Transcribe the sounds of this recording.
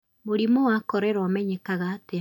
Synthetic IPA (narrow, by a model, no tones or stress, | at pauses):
moɾimowakɔɾɛɾɔmɛɲɛkaɣaːte